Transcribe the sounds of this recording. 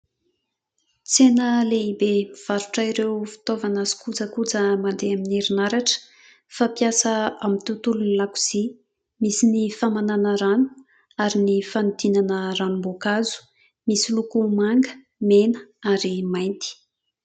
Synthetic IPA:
t͡senəleibemiv̥aɾuʈ͡ʂaiɾewfi̥t̪ovanazi̥kud͡zəkud͡zəmand̪eamineɾinaɾaʈ͡ʂə̥ | fapjasəamit̪ut̪ulunilaku̥z̥i | misinifamananəɾanu̥ | aɾinifanud̪inanəranumbokazu̥ | misilukumaŋɡə̥ | menəaɾimajnt̪i̥

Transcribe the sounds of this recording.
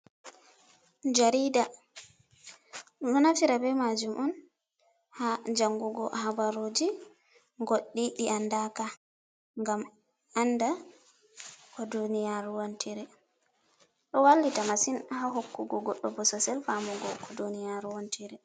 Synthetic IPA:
d͡ʒaɾiːda | nɔnafiɾabɛmad͡ʒumʔɔn | had͡ʒaŋɡuɡɔ̰habaɾod͡ʒi | ŋɡoɗːiɗiʔandaka | ŋɡam | anda | kɔdunijaɾuwontʰiɾɛ | ɗɔwalːitamasinhaɦokːuɡɔɡɔɗːɔbɔsɔsɛlfamuɡɔkʰɔdunijaɾuwontʰiɾɛ

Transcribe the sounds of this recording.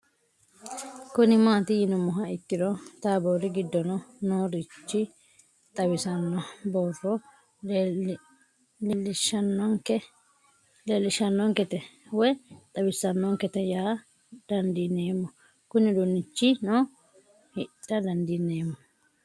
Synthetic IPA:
kʊnɪmaːt̪ɪjɪnʊmɔɦɐɪt̪ːɪɾɔt̪aːboːɾɪɡɪd̪ːɔnɔnoːɾɪt͡ʃːɪ | t̪ʼɐwɪsɐnːɔboːrːɔ | lɛlɪʃɐnːɔkɛ | leːlːɪʃɐnːɔŋkɛt̪ɛwɛt̪ʼɐwɪsɐnːɔŋkɛt̪ɛjaː | d̪̥ɐnd̪ineːmːɔ | kʊnɪd̪ʊnːɪt͡ʃːɪnoː | hɪtʼːɐd̪ɐnd̪inːeːmːɔ

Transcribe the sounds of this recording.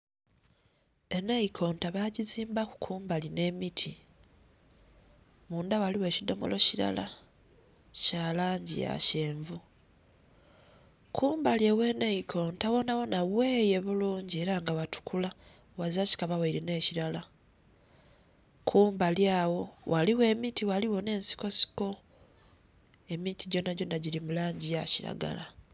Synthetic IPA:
e̞neikʰo̞ːntaβaɟiziːmbaku̥kʰuːmbaline̞mitʰi | muːndawaliwe̞ːcido̞̰mo̞̰lo̞ciɾa̰la̰ | caːlaːɲɟḭja̰ce̞ːɱvu | kʰuːmbalje̞we̞ːneikʰo̞ːntawo̞nawo̞nawe̞ːje̞βuluːɲɟie̞ɾaŋɡawatu̥kʰula | waziaci̥kaβawaiɾine̞ːciɾala | kʰuːmbaljaːwo̞waliwe̞ːmitiwaliwo̞ne̞ːnsi̥ko̞si̥ko̞ | e̞mitiɟo̞naɟo̞naɟilimulaːɲɟijaciɾa̰ɡa̰la

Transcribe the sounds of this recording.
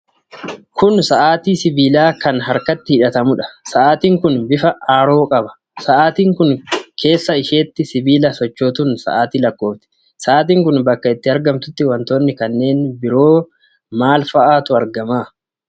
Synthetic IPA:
kʰʊnsɐʔaːt̪iːsɪbiːlaːkɐnɦɐɾkɐt̪ːɪhɪᶑɐt̪ɐmʊᶑɐ̥sɐʔaːt̪iːŋkʊnbɪfɐʔaːɾo̞ːkʼɐbɐ̥ | sɐʔaːt̪iːŋkʊnkʰe̞ːsːɐɪʃe̞ːt̪ːɪsɪbiːlɐsɔt͡ʃːoːt̪unsɐ̰ʔaːt̪iːlɐkːo̞ːft̪ɪ̥ | sɐʔaːt̪̬iːŋkʊnbɐkːɐɪt̪ːɪɐɾɡɐmt̪ʊt̪ːɪwɐnt̪o̞ːnːɪkɐnːe̞ːnbɪɾo̞ː | maːlfɐʔaːt̪ʊɐɾɡɐmaː

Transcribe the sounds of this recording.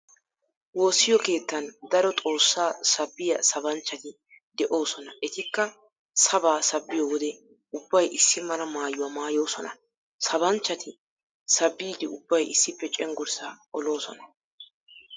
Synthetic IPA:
wo̞ːsːɪjɔke̞ːt̪ːɐnd̪ɐɾɔt̪ʼo̞ːsːaːsɐbːɪjɐsɐbɐnt͡ʃːɐt̪ɪ | d̪ɛʔoːsɔnɐʔɛt̪ɪkːɐ | sɐbaːsɐbːɪjɔwɔd̪ɛ | ʊbːɐjʔɪsːɪmɐlɐmaːjʊwaːmaːjo̞ːsɔnɐ̰ | sɐbɐnt͡ʃːɐt̪ʰɪ | sɐbːiːd̪ɪʊbːɐjɪsːɪpːɛt͡ʃʼɛŋɡʊɾsaɔlo̞ːsɔnɐ̥

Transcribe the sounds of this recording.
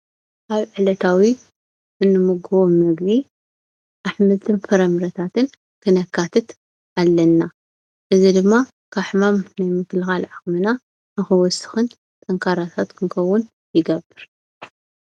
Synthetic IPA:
ʔaβʕɨlɐt̪ʰawi | ʔɨnːɨmɨɡoβomɐɡbi | ʔaħmɨt̪ʰɨnfɐɾɐmɨɾɐt̪ʰat̪ʰɨn | kʰɨnɐkʰːat̪ʰɨt̪ | ʔalːɐnːa | ʔɨzid̪ɨmːa | kʰaħmamnajmɨkɨlɨxalʕaxmɨna | nɨxɨwɔsɨ̥xɨn | t̪ʼɐŋkʰaɾat̪ʰat̪kʰɨŋkʰɐwːʊn | jɪɡɐbɨɾ

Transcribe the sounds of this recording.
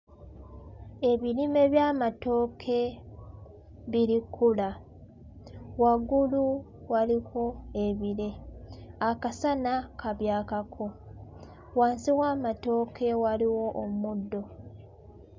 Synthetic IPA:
e̞βiɾime̞βjaːmato̞ːkʰe̞ | βiɾikʰːula | waɡulu | waliko̞e̞βiɾe̞akasanakaβjaːkakʰo̞ | waːnsiwaːmato̞ːkʰe̞waliwo̞ʔommudːo̞

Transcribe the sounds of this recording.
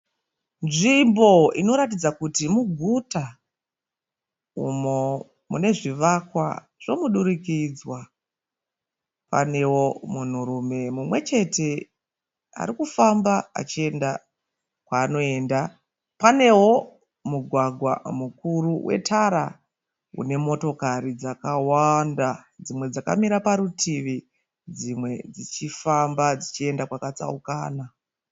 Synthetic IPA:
nʐimbo̞ino̞ɾat̬id͡zakutimuɡʱuta | umo | mune̞ʐiʋakwa̰ | ʐ̥o̞muɗuɾikid͡zwa | pa̰ne̞wo̞mun̤uɾume̞mumwe̞t͡ʃe̞te̞ | a̰ɾikufambaa̰t͡ʃie̞nda | kwaːno̞e̞ːnda | pane̞wo̞ | muɡʱwaɡʱwa̰mukuruwʔe̞̰tʰaɾa | ṵne̞mo̞to̞kaɾid͡zakawandad͡zimwe̞d͡zaka̰miɾapaɾutʰiʋi | d͡zimwe̞d͡zit͡ʃifambad͡zit͡ʃie̞ndakwakat͡sa̰ukaːna

